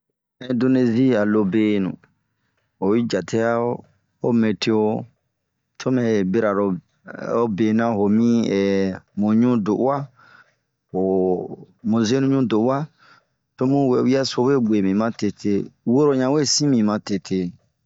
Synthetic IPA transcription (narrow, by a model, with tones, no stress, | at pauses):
ɛ̃˨ndo˧ne˧zi˦a˨lo˧beː˦nṵ̃˨ | ho˨wi˦d͡ʒa˨tʰe˦a˦o˦ | o˦mẽ˨tʰe˧˦o˧ | tʰo˦mɛ̃˨be˦ɾa˨ɾo˨ | o˦be˨nã˦ho˨mĩ˦ɛ˨mũ˨ɲũ˦do˨ʔwa˦ | ho˨ | mõ˨ze˦nũ˦ɲũ˦do˨ʔa˦ | to˦mũ˦we˧˦wi˦a˦so˧˦we˦˨ɡ͡be˨mĩ˨mã˦te˧tʰe˧wo˦ɾo˨ɲã˨we˦˨sĩ˦mĩ˨mã˧te˧tʰe˧